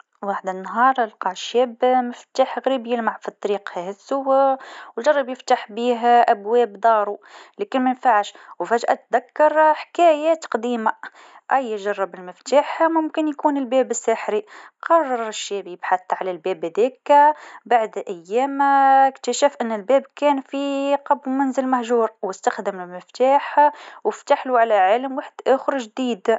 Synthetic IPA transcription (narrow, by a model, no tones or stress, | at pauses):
waːħd̪ɪnːɦɑːɾˤalqɑʕʃːɛːbmɪft̪aːħɣɾiːbjɪlmaʕfit̪ˤːɑɾiːqhɛhɪsuwwlʒɑrˤːɑbjɪft̪aħbiːɦʔæbwɛːbd̪ˤɑːɾˤulæːkɪnmænfaʕʃwfæʒʔæ̰t̪d̪akːɑɾˤħkæːjæt̪qd̪iːma | ʔæjːʒɑrˤːɑbɪlmɪft̪aːħmʊmkɪnjkuːnɪlbɛːbɪsːaħɾiqɑrˤːɑɾˤɪʃːæːbjɪbħaθʕalælbɛːbhæðɛːkæbaʕd̪ʔæjːæːmɪkt̪æʃæfʔɪnːɪlbɛːbkɛːnfiqɑbmænzɪlmahʒuːɾwɪst̪axd̪əmɪlmɪft̪aːħwɪft̪aħluʕalæʕɪlmwaħd̪ʔæːxʊɾʒd̪iːd̪